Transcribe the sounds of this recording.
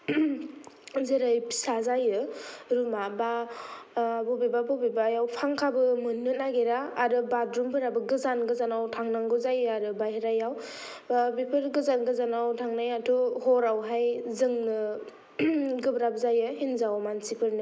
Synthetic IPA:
zeɾajpʰi̥sazajɯɾumaba | bɔbibabɔbibajawpʰaŋkʰabɯmɯnːɯnaɡeɾaːɾɯbadɾumpʰɯɾabɯɡɯzanɡɯzanawtʰaŋnaŋɡɯzajɯaɾɯbajhiɾajaw | bipʰɯɾɡɯzanɡɯzanawtʰaŋnajatʰuhɔɾawɦajzɯŋnɯ | ɡɯbɾab̚zajɯɦinzawmansipʰɯɾnɯ

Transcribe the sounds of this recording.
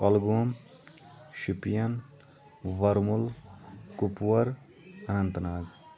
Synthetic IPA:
kɔlɡuɐm | ʃipijɐn | ʋɐɾmulkupwɐɾ | ɐnɐnt̪naːɡ

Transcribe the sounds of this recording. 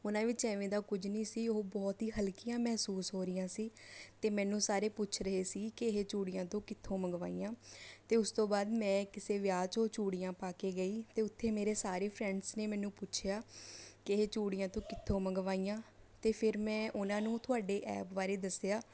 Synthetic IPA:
ʊnãːʋɪt͡ʃɛ̃ːʋẽːd̪aːkʊd͡ʒnĩːsiːoobɔːt̪ɦiːɦəlkɪjãːmɛɦsuːsɦoːɾɪjãːsiːt̪eːmɛ̃ːnũːsaːɾeːpʊt͡ʃʰɾəɦeːsiːkɪɦeːt͡ʃuːɽijãːt̪õːkɪt̪ʰːõːməɡʋa̰ːiːjãːt̪eːʊst̪õːbaːd̪mɛ̃ːkɪseːʋjaːt͡ʃõːt͡ʃuːɽijãːpaːkeːɡəiːt̪eːʊt̪ʰːeːmeːɾeːsaːɾeːpʰɾɛ̃ːɳɖsneːmɛ̃ːnũːpʊt͡ʃʰjaːkɪɦeːt͡ʃuːɽijãːt̪õːkɪt̪ʰːõːməɡʋaːiːjãːt̪eːpʰɪɾmɛ̃ːʔʊnãːnũːt̪ʰʊaːɖeːʔɛ̰ːpʋaːɾeːd̪əsejaː

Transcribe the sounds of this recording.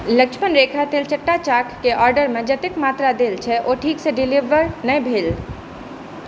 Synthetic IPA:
ləkt͡ʃʰmənɾeːkʰat̪eːlt͡ʃəʈːat͡ʃaːkkeʔɔːɾɖəɾmẽd͡ʒɐt̪ɪkmaːt̪ɾad̪eːlt͡ʃʰɛʔoːʈʰiːkseɖɪliʋəɾnəĩbʱeːl

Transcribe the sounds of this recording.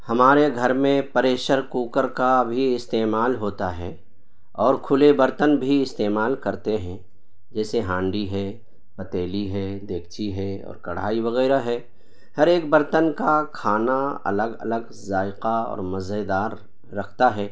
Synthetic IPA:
hɐmaːɾeɡʱɐɾmẽpɐɾeːʃəɾkuːkəɾkabʱiɪst̪eːmaːlɦoːt̪aɦɛː | ɔːɾkʰʊlebəɾt̪ənbʱiɪst̪eːmaːlkɐɾt̪eɦɛ̃ | d͡ʒɛːseɦãːɳɖiɦɛː | pɐt̪eːliɦɛːd̪eːk̚ʰt͡ʃiɦɛɔ̰ːɾkɐɽ̤a̰ːiʋɐɣɛːɾaɦɛː | hɐɾeːkbəɾt̪ənkakʰaːnaɐ̰ləɡɐ̰ləɡ | zaːɪqaɔ̰ːɾmɐzed̪aːɾː | ɐkʰt̪aɦɛː

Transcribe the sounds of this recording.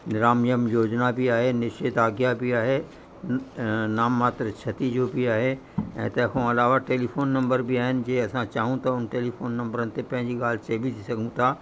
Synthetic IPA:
nɪɾaːmjəmjoːd͡ʒnabʱiaːɦenɪʃeːt̪aːɡjabʱiaːɦe | naːmːaːt̪ɾət͡ʃʰɐt̪id͡ʒobʱiaːɦe | ɛ̰̃ːt̪ɛkʰõɐlaːʋaʈeːlipʰoːnːɐ̃mbəɾbʱiaːɦɪnd͡ʒeːɐsãt͡ʃaːɦũt̪ʰaʊnʈeːlipʰoːnːɐ̃mbəɾənt̪epɐ̃ɦɪ̃d͡ʒiɡaːlseːbʱid̪isɐkũt̪ʰaː

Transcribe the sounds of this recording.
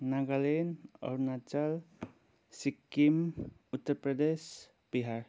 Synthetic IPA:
naɡalenɔ̰ɾnat͡ʃəl | sikːimut̪ːəɾpɾəd̪es | biɦaɾ

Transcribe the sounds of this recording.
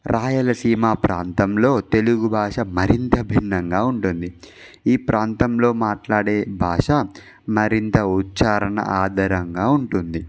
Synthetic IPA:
ɾʔaːjɐlɐsiːmaːpɾaːnt̪ɐmlo̞ːt̪e̞luɡubʱaːʂɐmɐɾint̪ɐbʱiɳːɐŋɡaːuɳʈund̪i | iːpɾʔaːnt̪ɐmlo̞ːmaːʈlaːɽeːbʱaːʂɐ | mɐɾint̪ɐutːt͡ʃaːɾɐɳɐ̰ʔaːd̪ʱɐɾɐŋɡaːuɳʈund̪i

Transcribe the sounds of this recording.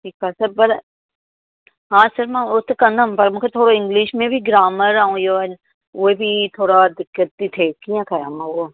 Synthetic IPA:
ʈʰiːkasəɾpɐɾ | ɦãːsəɾmãʊt̪ʰkɐ̃nd̪ʱəmpɐɾmũkʰet̪ʰoːɽoɪ̃ŋɡlɪʃmẽbʱiɡɾaːməɾaɦũːjon | ʋoebʱit̪ʰoːɽad̪ɪkːət̪ːit̪ʰeːkijãkʰɐja̰ːmãʋoː

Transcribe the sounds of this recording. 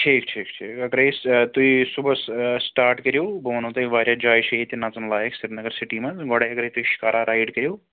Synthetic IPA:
ʈʰiːk̚ʈʰiːkʈʰikɐɡɾejst̪uisubəssʈaːɾʈkɐɾjoːboːnõt̪ɐiʋaːɾjad͡ʒaːjʃeit̪inaːt͡sɐnlaːjeksɪɾnɐɡəɾsiʈimɐɡɔɽajɐɡɾejt̪uiʃi̥kaːɾʔaɾʔaːjɖkɐɾjoː

